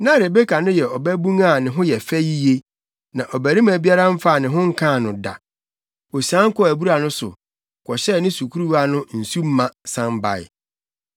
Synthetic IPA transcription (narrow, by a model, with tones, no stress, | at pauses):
nã˦ɾe˨be˦kʰa˨nʊ̃˦jɛ˨ɔ˨bɛ˦bũ˦ŋa˦˨nɪ̃˨ɦʊ̃˦jɛ˨fɛ˦ji˦je˦ | nã˨ʔɔ˨bæ˨ɾĩ˦mæ̃˨bi˦a˦ɾa˦m̩˦fa˦˨nɪ̃˨ɦʊ̃˦ŋ̩˦kʰã˦˨nʊ̃˨da̰˨ | o˨sã˦ŋ̩˦kɔ˦æ˨bu˦ɾa˨nʊ̃˦sʊ̰˨ | kʰɔ˨ɕɛ˦˨nɪ̃˦su˨kʰu˦ɾu˦a˦nʊ̃˦n̩˨su˦m̩˦mã˨sã˦mba̰˨ɪ̰˨